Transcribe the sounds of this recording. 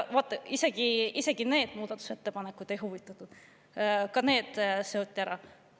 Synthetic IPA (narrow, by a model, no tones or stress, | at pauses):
vɑt̪ˑːɑise̞ɡ̥iise̞ɡ̥ine̞ːd̪̥muːd̪̥ɑt̪ːˑu̥se̞t̪ːe̞pɑnekːˑud̪̥e̞jɦuvit̪ːˑɑt̪ːˑud̪̥ | kɑne̞ːd̪̥se̞o̞t̪ʲːiæɾɑ